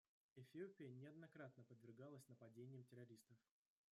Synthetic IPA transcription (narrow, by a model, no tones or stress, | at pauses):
ɪfʲɪopʲɪjənʲɪɐd̪nɐkɾat̪nəpəd̪vʲɪrɡalˠəsʲnəpɐdʲenʲɪjəmtʲɪɾɐɾʲist̪əf